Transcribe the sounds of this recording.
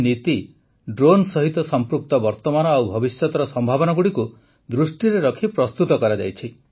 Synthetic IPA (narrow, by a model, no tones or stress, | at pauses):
nit̪i | ɖɾonsɔɦit̪ɔsɔmpɾuk̚t̪ɔbɔɾt̪ɔmanɔawbʱɔbisjɔt̪ɔɾɔsɔmbʱabɔnaɡuɽiku | d̪ɾusʈiɾeɾɔkʰipɾɔst̪ut̪ɔkɔɾad͡ʒa̰jt͡ʃʰi